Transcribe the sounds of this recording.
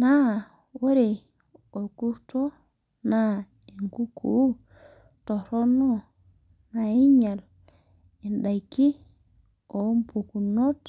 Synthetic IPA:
na˦ | wo˦ɾe˨ | o˨ku˦to˦ | na˦ | e˨ŋɡu˦kʰu˨˦ | to˨ɾo˦no˦ | na˨i˦ɲa˨l | e˨nɗa˨jki˦ | o˨˦mpu˨ku˨no˦t

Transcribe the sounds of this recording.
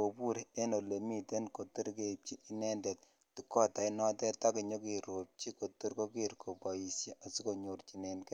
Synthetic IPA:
o˨pu˦ɾe˦no˨le˨mi˨te˦nko˨tu˦ɾke˨p̚t͡ʃi˦ʔi˦nɛ˦nde˨t̚ | ti˦kɔ˦ta˨i˦nɔ˦tɛ˦ta˦ki˨ɲo˦ki˨ɾo˨p̚t͡ʃi˦ko˨tu˦ɾko˦ki˦ɾkʰo˨pa˨i˨sje˦ʔa˨si˦ko˨ɲo˨rt͡ʃi˨ne˨nk

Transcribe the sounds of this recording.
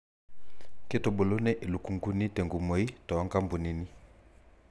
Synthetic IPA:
ke˦to˨bo˨lo˦nɛ˦ʔe˨lu˨ku˨ŋɡu˦ni˦te˨ŋɡu˨mo˨˦i˦tɔ˨a˦ŋɡa˦mbu˨ni˨ni˦

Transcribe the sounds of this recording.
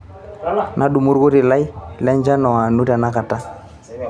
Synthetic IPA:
nʔa˦ɗu˨mu˦ɾɡo˦ti˨la˦jlɛ˦ɲd͡ʒa˦nɔ˨a˨nu˦ta˨na˦ka˨ta˦

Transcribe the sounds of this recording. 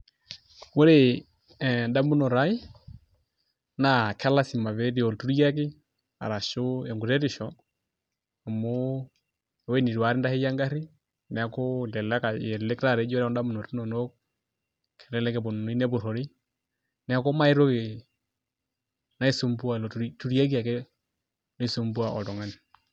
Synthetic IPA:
wo˦ɾe˨ | nda˦mu˦no˨ɾa˦i˦ | na˨kʰɛ˦la˦si˨ma˨βe˦di˨ɔ˨ltu˦ɾi˦a˦k̬ɪ˦ | a̰˨ɾa˨ʃo˦ɛ˨ŋɡu˨ɾɛ˦ɾi˨ʃɔ˦ | a˨mo˦˨ | wɛ˦ni˨ɾwa˨˦ɾɪ˦nda˦he˦ja˦ŋɡa˦ɾi˦ | n˨a˦ko˦dɛ˨la˦ka˨jɛ˨le˦kta˦˨ɾɛ˨˦d͡ʒɔ˦ɾɛ˦ɔ˦nda˦mu˨no˨tu˦nɔ˨no˦k̚ | kʰɛ˨lɛ˦lɛ˦kɛ˨bo˨n˨n˦i˦nɛ˦bʊ˨ɾɔ˨ɾi˦ | n˨a˦ko˦ma˦ɪ˦ɾo˦ke˨ | na˦i˦su˦mbu˦a˨ltu˦ɾja˦k̬i˦a˨kɛ˦ | nɔ˦i˨su˦mbu˦a˨ʔɔ̰˨tɔ˨ŋa˦ni˨

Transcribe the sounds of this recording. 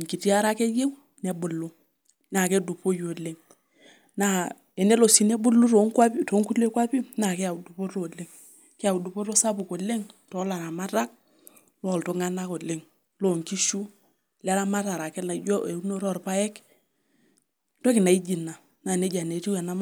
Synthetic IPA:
ŋki˨ti˦a˦ɾa˦ke˦je˦w | nɛ˨bʊ˨lu˦ | na˨ke˦du˨po˦jo˨le˦ŋ | na˦˨ | ɛ˨ne˦lo˨si˦ne˦bʊ˦lu˦to˨˦ŋkwa˦pi˦to˨˦ŋku˦le˦kwa˦pi˦na˨ke˦a˨du˨po˦ɾo˨le˦ŋ | ke˦a˨u˨du˨po˦ɾo˦sa˦pu˨ko˨le˦ŋtɔ˨˦la˨ɾa˨ma˦ta˦k̚ | lɔ˦˨lto˨ŋa˦na˦ko˨lɪ˦ŋ | lo˦˨ŋki˦ʃu˦ | lɛ˦la˦ma˦ta˨ɾa˨kɛ˦la˨˦d͡ʒɔ˦e˨u˦no˦ɾɔ˦˨rpa˦ɛ˦k | tɔ˦kɪ˨na˨i˦d͡ʒi˨na˨ | na˨ne˦d͡ʒa˨ne˨˦ti˦wɛ˨na˦m˦

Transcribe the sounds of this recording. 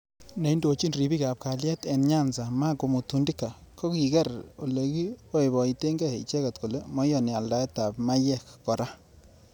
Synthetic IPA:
ne˨i˦ndo˨t͡ʃi˦nri˨bi˦ka˨p̚ka˨ljɛ˦tɛ˨nɲa˦nsa˨ma˦ko˨mu˨tu˨ndi˦kːa˨ko˦ki˨kɛ˦ɾo̰˨le˨ki˦o˦i˨bɔ˨i˨te˦ŋɡɛ˦˨i˨t͡ʃɛ˦kɛ˨t̚ko˨le˨mɔ˦jɔ˨n˨a˨lda˨˦ɛ˦ta˨pma˦jɛ˦kːɔ˨ɾa˦

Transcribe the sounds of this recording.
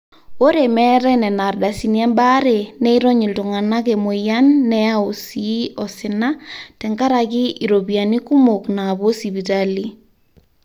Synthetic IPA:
o˦ɾemɛ˦ɾɛ˦nɛ˨na˨rda˨si˨niɛ˦mbaɾe˨nɛ˦i˦ɾo˦ɲi˨ldu˨ŋa˨na˦ɣe˨mo˨ja˦nːɛa˦o˨siɔ˨sɪ˨na˦tɛ˨ŋɡa˦ɾa˨ɣi˦ʔi˨ɾo˨βia˨ni˦ku˦mo˨knaβo˦si˨βi˨tali˦

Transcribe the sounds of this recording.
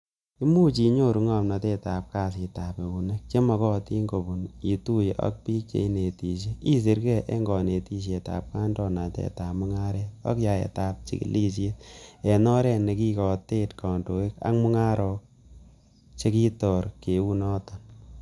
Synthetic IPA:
ki˦mu˦t͡ʃi˨ɲo˦ɾu˨ŋa˨mna˧te˦˧ta˨p̚ka˧s̬i˨ta˨pe˨u˨ne˦k̚t͡ʃe˦mɔ˧kɔ˦ti˦ŋɡo˨bu˨ni˨tu˦jʔa̰˦k̚pi˦t͡ʃḛ˨i˦ne˨ti˨ʃ̬e˦i˦s̬i˨ɾkɛ˦ʔe˦ŋɡɔ˨ne˨ti˦ʃ̬e˨ta̰˨p̚ka˦ndɔ˧na˨tḛ˦ta˨pmu˦ŋa˦ɾɛ˦ɔ̰˦kja˨ḛ˨ta˨p̚t͡ʃḭ˨kḭ˦li˦se˦te˨nɔ˦ɾɛ˧ne˨ki˦kɔ˨te˦tkɔ˨ndo˨ke˦ka̰˦kmu˦ŋa˦ɾɔ˨ | t͡ʃe˦ki˦tɔ˨ɾke˨u˦nɔː˦tɔ˨n

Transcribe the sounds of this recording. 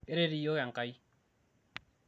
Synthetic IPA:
e˦ɾe˦ɾi˨jo˦ɣa˨ŋ̩˨ka˨˦i˦

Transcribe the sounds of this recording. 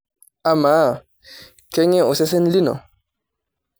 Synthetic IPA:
a˨ma˨˦˨ | kɛ˦ŋɛ˦o˨sɛ˦s̬ɛ˦nli˦nɔ̰˨

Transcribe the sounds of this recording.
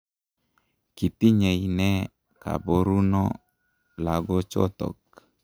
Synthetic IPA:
ki˨t̪i˦ɲe˨inɛ˦ | ka̰˨bo˦ɾu˦nɔ˦ | la˨ɡɔ˦t͡ʃɔ̰˦t̪ɔ̰˨k̚

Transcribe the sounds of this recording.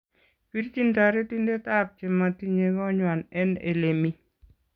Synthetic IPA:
pi˦ɾt͡ʃi˦nta˨ɾe˦ti˦nde˦ta˦p̚t͡ʃɪ˨ma˨ti˦ɲe˨kɔ˦ɲwa˨nɛ˦nḛ˨le˨mi˦

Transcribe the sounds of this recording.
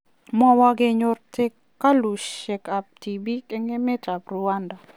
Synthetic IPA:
mɔ˦wa˦ɡɪ˦ɲʊ˦rtʰe˦kːa˦lu˨ʃɛ˨ka˨p̚ti˨bi˦ke˦ŋe˦mɛ˦ta˨bɾu˨wa˦nda˨

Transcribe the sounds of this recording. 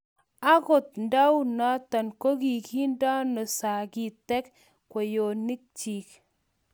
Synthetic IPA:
a˦ko˨t̚nda˦wna˦ta˨nko˦ki˨ki˦nda˦nɔ˨sa˨ki˨tɛ˦k | kwɔ˨jo˨ni˦k̚t͡ʃi˨k̚

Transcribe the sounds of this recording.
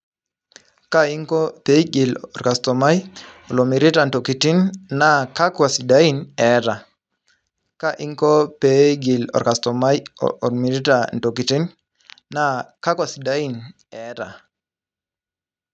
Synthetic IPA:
ka˦i˦ŋkɔ˦pe˦ɡi˨lɔ˨ɾka˨stɔ˨ma˦jɔ˨lo˨mi˨ɾi˦ta˨n̩to˨ki˨ti˦nːa˦ka˦kwa˨si˨da˦i˦nɛ˨ɾa˨ | ka˦ʔi˦ŋkɔ˦pe˨˦ɡi˨lɔ̰˨ɾka˨stɔ˨ma˦j̰ɾmi˨ɾi˦ta˨n̩˨to˨ki˨ti˦nː | a˦ka˦kwa˨si˨da˦i˦n | ɛ˨˦ɾa̰˨

